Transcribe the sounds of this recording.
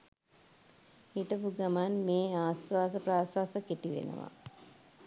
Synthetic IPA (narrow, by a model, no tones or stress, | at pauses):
iʈəpuɡamanmeːaːsʋaːsəpraːsʋaːsəkeʈiʋḛnə̰ʋa̰